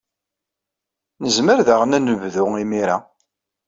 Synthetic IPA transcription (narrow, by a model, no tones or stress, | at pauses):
nəzməɾðəʁənænəvðʊimiɾa